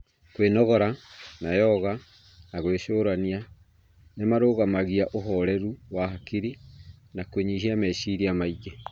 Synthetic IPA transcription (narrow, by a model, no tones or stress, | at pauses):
kwenɔɣɔɾanajɔɣa | naɣweʃoɾania | nemaɾoːɣamaɣiaʔoɦɔɾɛɾuwahakiɾinakweɲiːɦiamɛʃiɾiamaiɡe